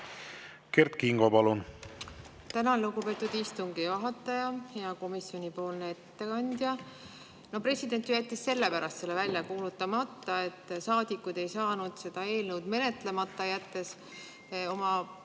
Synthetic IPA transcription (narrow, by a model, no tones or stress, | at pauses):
kert̪kiŋɡopɑlun | t̪ænɑluɡupe̞ːt̪ːˑud̪̥ist̪uŋɡ̥ivɑɦɑt̪ːˑɑjɑhejɑko̞misjo̞nʲipo̞ːlnee̞t̪ːe̞kɑnʲd̪̥jɑ | no̞pre̞sʲid̪e̞nʲt̪ːˑyjæt̪ːˑisːe̞lːepæɾɑst̪se̞lːevælʲjɑkuːlut̪ːˑɑmɑt̪ːˑɑe̞t̪ːˑsɑːd̪̥ʲikːud̪̥e̞jsɑːnud̪̥se̞d̪̥ɑe̞ːlnəwd̪̥me̞ne̞t̪le̞mɑt̪ːˑɑjæt̪ːe̞s | o̞mɑ